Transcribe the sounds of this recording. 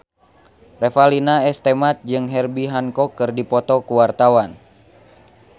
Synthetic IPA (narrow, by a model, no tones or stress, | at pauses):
rɛfalinaɛst̪ɛmat̪̚d͡ʒɨŋɦɛrbiɦankɔkːɨrdipɔt̪ɔkuwart̪awan